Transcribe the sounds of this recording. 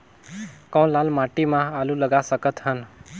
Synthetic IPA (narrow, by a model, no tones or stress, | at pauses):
kɔ̃w̃lalmaʈimãaluləɡasəkət̪ɦən